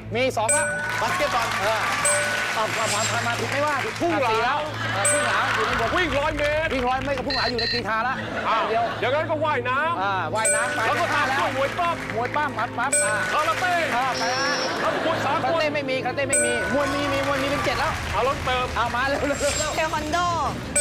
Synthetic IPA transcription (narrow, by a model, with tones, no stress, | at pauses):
miː˧sɔː˨˦ŋla˧˩ | pa˨˧˩k̪e˧˩kɔː˨˩nʔaː˧˩ʔaː˧˩maː˧˩pʰaː˧˩aː˧˥maː˧˥t̪ʰu˨k̚ma˥˩jwaː˥˩t̪i˨˧˩pʰuː˥˩a˧ŋlaiː˨˩˦lɛ˦˥w | ʔaː˧˩pʰuː˥˩ŋlaː˨˦wi˥˩k̚lɔː˦˥jmeː˦˥ʔiː˨˩k̚lɔː˦˥jma˦˥˩kɔ˧˩pʰu˥˩ŋlaː˨˦ju˨na˧jt̪iː˧t̪ʰaː˧la˦˥ʔ | aː˧˩di˧əwjaː˨˩ŋna˦˥nkɔː˥˩waː˥˩jnaː˦˥mʔaː˧˩waː˧˥˩jnaː˦˥mtaː˧lːkɔ˥˩aː˧˩lɛ˦˥u˧˩əmu˨˩˦əjkɔː˥˩p̚mu˨˩˦əjpaː˥˩mːa˦˥t̚maː˦˥p̚aː˧˩kʰaː˧laː˧t̪eː˥˩ʔaː˧˩ma˨˧jaː˧˩a˦˥˧kʰu˧˥t̚saː˨˦kʰa˧˨teː˧˥˩ma˥˩jmiː˧ka˧leː˥˩ma˥˩jmiː˧mu˧əjmiː˧miː˧mu˧əjmiː˧pe˧nt͡ɕe˨˩t̪̚lɛː˦˥wʔaː˨˧˩wlo˦˥nt̪ɤː˧mʔaː˧˩maː˧˥˦lɛː˦˥˩lːlːlɛː˦˥˩wɛ˧mɔ˧ndɔː˧˥˩